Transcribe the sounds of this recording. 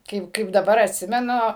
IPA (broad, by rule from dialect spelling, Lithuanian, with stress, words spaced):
ˈkɐɪp kɐɪp dɐˈbɐr ɐtʲˈsʲɪmʲɛnʊ